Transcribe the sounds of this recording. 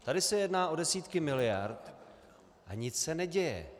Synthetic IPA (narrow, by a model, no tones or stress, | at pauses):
t̪adɪsɛjɛdnaːʔo̞dɛsiːt̪kɪmɪlɪja̰ɾt̪ | ʔaɲɪt͡ssɛnɛɟɛjɛ̰